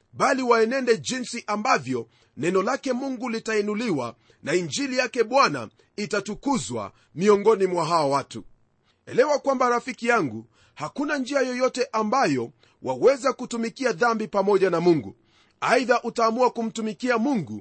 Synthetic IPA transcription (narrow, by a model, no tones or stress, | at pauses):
ɓaliwaɛnɛndɛd͡ʒinsiʔambavjɔ | nɛnɔlakɛmuŋɡulitainuliwa̰ | naind͡ʒilijakɛɓwana̰ | itatukuzwa̰ | miɔŋɡɔnimwaɦaɔwatṵ | ɛlɛwakwambaɾafikijaŋɡu | hakunand͡ʒiajɔjɔtɛʔambajɔ | wʔawɛzakutumikiaðambipamɔʄanamuŋɡṵ | aiðaʔutaːmuakum̩tumikiamuŋɡṵ